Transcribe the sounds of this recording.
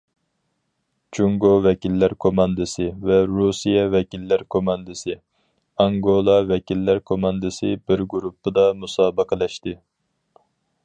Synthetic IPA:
t͡ʃʰuŋɡovɛkʲilːæɾkʰomɑnd̪ɨsɨvɛɾusijɛvɛkʲilːæɾkʰomɑnd̪ɨsɨ | ɑŋɡolˠɑvɛkʲilːæɾkʰomɑnd̪ɨsɨbɪɾɡuɾupʰːɨd̪ɑmusɑːbəqʰəlɛʃt̪ɪ

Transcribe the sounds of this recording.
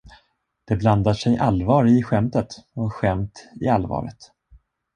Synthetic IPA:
d̪̥ɛbland̪aʂɛjʔalvɑːɾɪɧɛmt̪ət̪ɔɧɛmt̪ɪalvɑ̰ːɾə̰t̪

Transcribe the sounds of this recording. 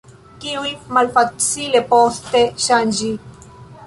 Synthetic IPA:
kiuimɐlfɐt̪silepoːst̪eɕaːnd͡ʑi

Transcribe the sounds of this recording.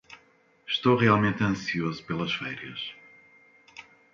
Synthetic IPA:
ʃt̪owʁialˠmẽnt̪ɐ̃siozupelˠɐʃfɛɾjɐʃ

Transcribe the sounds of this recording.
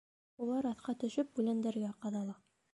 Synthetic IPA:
ulˠɑɾɑθqɑt̪ɵ̆ʃɵp̚bʉlænd̪æɾɡæqɑðɑlˠɑ

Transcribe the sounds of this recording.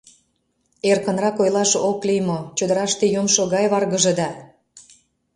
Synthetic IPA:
erkə̆nrɑkojlɑʃoklijmot͡ɕød̪əɾɑʃt̪ejomʃoɣɑjβɑrɣə̆ʒĕd̪ɑ

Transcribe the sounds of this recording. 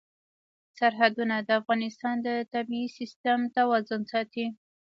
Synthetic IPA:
saɾɦad̪unad̪əafɣɑnɪst̪ɑnd̪ət̪abiːsist̪amt̪awɑzʊnsɑt̪i

